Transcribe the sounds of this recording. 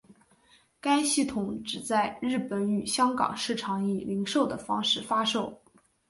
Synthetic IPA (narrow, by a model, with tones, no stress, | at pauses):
ka˥ɪɕi˥˩t̪ʰʊ˨˧˥ŋʈ͡ʂɻ̩˨˩t͡sa˥˧ɪɻɻ̩˥˩pə˧˥ny˨˩ɕjɑ˥ŋkɑ̰˨˩ŋʂɻ̩˥˩ʈ͡ʂʰɑ˧˥ŋi˥˩li˧˥ŋʂo˥˩ʊd̪ə˩fɑ˥ŋʂɻ̩˥˩fa˥ʂo˥˩ʊ